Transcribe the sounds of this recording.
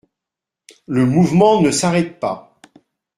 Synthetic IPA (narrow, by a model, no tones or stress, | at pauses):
ləmuvmɑ̃nəsaʁɛt̪̚pa̰